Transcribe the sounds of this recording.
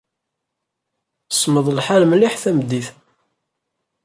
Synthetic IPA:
əsməðˤlħaləmliħθæmd̪ːiθ

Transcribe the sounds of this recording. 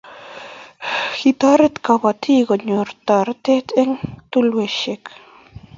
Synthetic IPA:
xit̪ɑɾə̆t̪kɑβɑt̪ʰiɣə̆nʲort̪ɑɾ̆t̪et̪ʰeŋt̪ulweɕek

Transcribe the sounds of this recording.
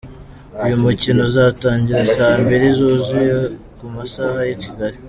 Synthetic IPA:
ijumucino̞zaːtaːɲɟiɾasahambeɾizoːzuje | kumasahajeciɡaɾi

